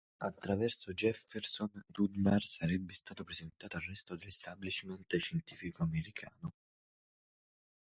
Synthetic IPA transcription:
at̪ːɾavɛrsod͡ʒɛfersond̪ud̪marsaɾɛbːest̪aːt̪opɾezent̪aːt̪oarrɛst̪od̪elest̪ablit͡ʃment̪ʃent̪iːfikoameɾikʰaːno

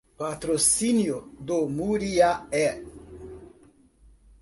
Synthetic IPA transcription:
pat̪ɾosinjod̪omuɾiaɛ

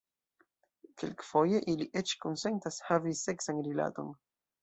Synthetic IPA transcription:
kelkfo̞je̞ʔiliʔe̞t͡ʃko̞nse̞ntashavise̞ksanɾila̰to̞̰n

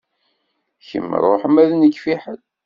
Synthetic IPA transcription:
çə̰m̰ːɾˤoħəmæðnəkːfiħəl

